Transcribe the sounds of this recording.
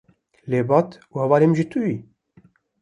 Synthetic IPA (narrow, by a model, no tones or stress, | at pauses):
leːbɑːt̪uhɛvɑːlemʒit̪ʰuji